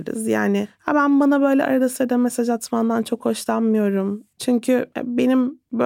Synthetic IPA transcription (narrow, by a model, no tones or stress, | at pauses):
ɾɯ̰zja̰ːnɪhabænbanabø̞jlʲɛ̰a̰ɾad̪asɯɾd̪amesad͡ʒat̪mand̪ant͡ʃʰo̞kho̞ʃlˠanmɯjo̞ɾumt͡ʃʰyɲcʰy̰be̞nimb